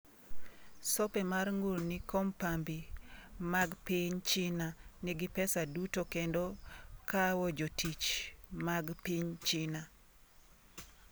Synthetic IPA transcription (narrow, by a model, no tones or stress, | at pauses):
sopɛmarŋuɾnikɔmpambimaɡpiɲt͡ʃɪnaniɡɪpɛsadutokendokawɔd͡ʒotit͡ʃmaɡpiɲt͡ʃina